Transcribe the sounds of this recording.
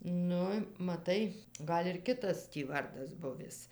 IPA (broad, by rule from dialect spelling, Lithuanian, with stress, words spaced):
ˈnʊ mɐˈtɐɪ ˈɡɐlʲ ɪr ˈkʲɪtɐs tʲiː ˈʋɐrdɐs ˈbʊʋʲɪs